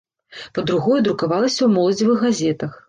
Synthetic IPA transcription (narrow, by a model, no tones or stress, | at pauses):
pɐd̪ɾuɣɔjɛd̪ɾukavalˠɐsʲɐwmɔlˠɐd͡zʲivɨɣːazʲɛt̪ɐx